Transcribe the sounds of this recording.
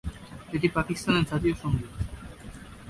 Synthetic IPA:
et̪ipakist̪anent͡sʰat̪̬ioʃoŋɡi

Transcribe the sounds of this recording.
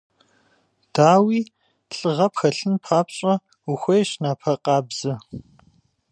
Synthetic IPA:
d̥aːwiː | ɬʼɨʁɐpxɐɬɨnpʰaːpɕʼɐ | uxʷɔjɕnaːpʰɐqɑːbz̥ɨ

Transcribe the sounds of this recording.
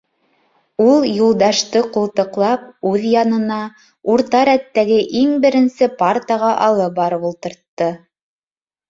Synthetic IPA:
ulˠjulˠd̪ɑʃt̪ɤqulˠt̪ɤ̆qlˠɑp̚ʉðjɑnɤ̆nɑ | uɾt̪ɑɾæt̪ːæɡɘʔiŋbɘ̆ɾɘ̆nsɘpart̪ɑʁɑʔɑlˠɤbɑɾɤpulˠt̪ɤ̆ɾt̪ːɤ

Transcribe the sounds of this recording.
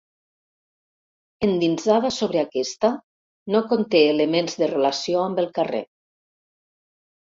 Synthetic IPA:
end̪inzaðasoβ̞ɾeakɛst̪a | nokont̪eːləmenzðərelasioambəlˠkarḛ

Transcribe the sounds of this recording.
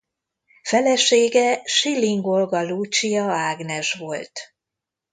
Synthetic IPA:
fɛlɛʃeːɡɛʃilːiŋɡo̞lɡɒlut͡ʃijɒaːɡnɛʃʋo̞lt̪

